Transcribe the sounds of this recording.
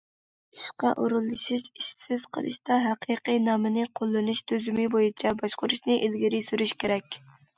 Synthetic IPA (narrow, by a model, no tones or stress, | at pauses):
iʃqɑʔuɾɨlˠːɨʃiʃiʃsɪz̥qʰə̰lˠɨ̰ʃt̪ɑɦæqʰiqijnɑːmɨnɨqʰolˠːɨnuʃt̪ʰøzymɪbojit͡ʃʰɛbɑʃqʊɾuʃnɨʔilɡʲiɾɪsyɾyʃkʲʰeɾɛkʲ